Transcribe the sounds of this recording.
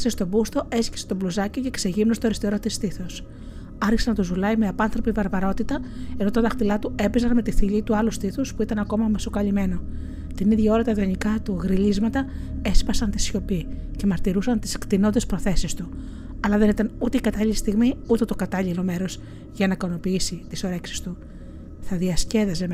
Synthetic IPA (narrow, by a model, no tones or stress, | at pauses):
sest̪o̞bust̪o̞e̞sce̥se̥t̪oblozɐciocekseʝimnost̪o̞ɾist̪eɾo̞t̪ist̪iθos | ɐɾçi̥senɐt̪uzulɐimeɐpɐnθɾo̞pivɐɾvɐɾo̞t̪it̪ɐe̞no̞t̪ɐt̪ɐxt̪ilɐt̪ue̞pezɐnme̞t̪iθiʎit̪uɐlust̪iθospuit̪ɐnɐko̞mɐmɐsokɐʎime̞no̞ | t̪iniðʝɐo̞ɾɐt̪ɐðionikɐt̪uɣɾilizmɐt̪ɐe̞spɐsɐnt̪i̥sço̞pi | cemɐɾt̪iɾusɐnt̪i̥skt̪ino̞nd̪espɾo̞θe̞sist̪u | ɐlɐðe̞nit̪ɐnut̪e̞ikɐt̪ɐʎilist̪iɣmiut̪e̞t̪o̞kɐt̪ɐʎilo̞me̞ɾo̞z | ʝɐnɐkɐno̞piisit̪iso̞ɾe̞ksi̥st̪u | θɐðiɐsce̞ðezem